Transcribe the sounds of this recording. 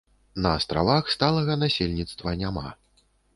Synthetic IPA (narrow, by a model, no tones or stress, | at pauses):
nɐːst̪ɾa̰vaxst̪alˠɐɣɐnasʲelʲnʲit̪st̪vɐnʲama